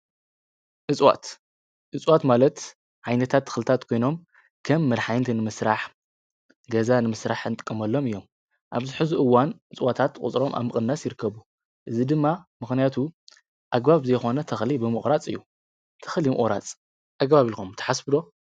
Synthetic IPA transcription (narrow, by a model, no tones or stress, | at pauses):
ʔɨt͡sʼwa̰t̪ | ʔɨt͡sʼwat̪malɐt̪ | ʕajnɐt̪ʰat̪ʰːɨ̥xlɨt̪ʰat̪kʰo̞jno̞m | kʰɐmːɨɾħajnt̪ʰinɨmɨsɾaħ | ɡɐzanɨmɨsɾaħɨnt̪ʼɨ̥kʼːɐmɐlːo̞mɨjːo̞m | ʔa̰βzɨħɨzuʔɨwːanʔɨt͡sʼwat̪ʰat̪kʼṵt͡sʼɾo̞mʔa̰βmɨkʼɨnːasjɪɾɨkːɐβu | ʔɨzid̪ɨmːamɨxnijat̪ʰu | ʔaɡbaβzɐjxo̞nɐt̪ʰɐxlibɨmɨχʼɾat͡sʼɨ̰jːu | t̪ʰɐ̥xlimɨ̰χʼɾa̰t͡sʼ | ʔaɡβaβilkomt̪ʰɐ̥ħasbɨd̪o̞